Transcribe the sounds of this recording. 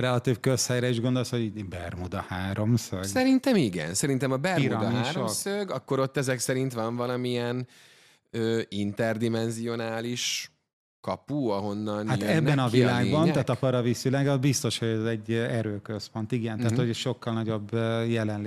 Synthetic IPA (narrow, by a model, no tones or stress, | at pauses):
rɛlɒt̪iːfkøshɛjɾɛiʒɡo̞nd̪o̞lsho̞ɟibɛrmud̪ɒhaːɾo̞msøɡsɛɾint̪ɛmiɡɛ̰nsɛɾint̪ɛmɒbɛrmiɾud̪miːɾoomsøɡɒkːo̞ɾo̞t̪ːɛzɛksɛɾint̪ʋɒɱvɒlɒmiɛn | øːint̪ɛrd̪imɛnzio̞naːliʃ | kɒpuɒɦo̞nːɒnhatj̪øɛbːɛnɒvilaːɡbɒnt̪aːt̪ɒpɒɾɒvisylɛɡɒzbist̪o̞ʃho̞ɟɛzɛɟːɛɾøːkøspo̞nt̪iɡɛnt̪aːtt̪hoɟɛʃo̞kːɒlnɒɟo̞bøjɛlɛnl